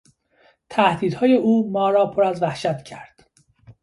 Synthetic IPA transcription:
t̪ʰæhd̪iːd̪hɒːje̞ʔuːmɒːɾɒːpʰoɾæzvæhʃæt̪cʰæɾd̪̥

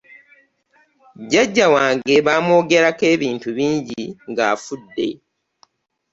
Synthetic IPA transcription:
ɟaɟːawaːŋɡe̞βaːmo̞ːɡe̞ɾake̞ːβiːntuβiːɲɟiŋɡa̰ːfudːe̞̰

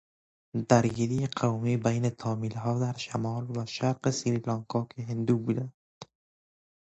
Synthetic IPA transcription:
d̪æɾɡiːɾiːjeqʰawmiːbejnet̪ʰɒːmiːlɦɒːd̪æɾʃæmɒːlvæʃæɾqesiɾilɑŋkʰɒːkʰeɦend̪uːbuːd̪ænd̪̥

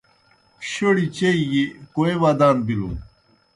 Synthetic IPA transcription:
kɕoɽit͡ɕeiɡikoeʋaːd̪aːnbilṵ

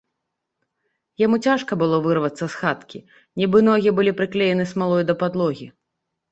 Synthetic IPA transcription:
jamut͡sʲaʂkɐbɨlˠɔvɨrvɐt̪sːɐsxat̪kʲi | nʲibɨnɔɣʲibɨlʲipɾɨklʲɛjɛnɨsmalˠɔjd̪ɐpad̪lˠɔɣʲi

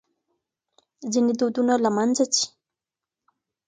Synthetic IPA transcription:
zinid̪od̪unalamanzat͡ʃi̥

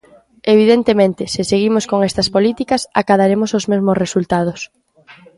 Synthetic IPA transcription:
eβ̞iðent̪emẽnt̪ɪsɪseɣimoskoŋɛst̪ɐspolit̪ikɐsa̰kaðaɾemʊsozmezmosresult̪að̞os

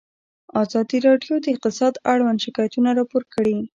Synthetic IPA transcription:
ɑzɑd̪iɾɑɖjod̪əɪq̚t̪ɪsɑd̪aɽwand̪ʃɪkɑjat̪unaɾɑpoɾkəɽi

